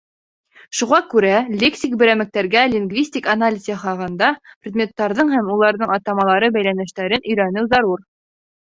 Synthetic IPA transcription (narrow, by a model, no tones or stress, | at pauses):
ʃuʁɑkʉɾælʲeksʲik̚bɘ̆ɾæmɘ̆k̚t̪æɾɡælʲɪŋɡvʲisʲtʲikanalʲɪzʲɑχɑʁɤ̆nd̪ɑprʲɪd̪mʲe̞t̪ːɑɾðɤɴhæmulˠɑɾðɤɴɑt̪ɑmɑlˠɑɾɤbæjlænɘ̆ʃt̪æɾɘnɵ̆jɾænɘwzɑɾuɾ